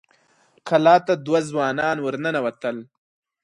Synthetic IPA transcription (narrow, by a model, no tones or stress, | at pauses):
kʰalɑːt̪ad̪wazwɑːnɑːnwəɾnənawɐt̪əl